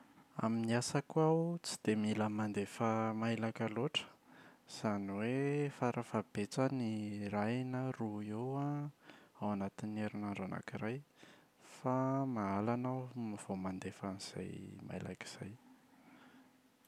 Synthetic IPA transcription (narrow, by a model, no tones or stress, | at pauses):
a̰miniasakuawt͡si̥d̪̥emiləmand̪efəmailakaloʈ͡ʂə̥z̥aniwefaɾəfab̥et͡sənirajnəruewa | awanat̪ineɾinaɳɖ͡ʐana̰kiraj | famaalanamiv̥omand̪efaniz̥a̰jma̰jla̰ki̥z̥aj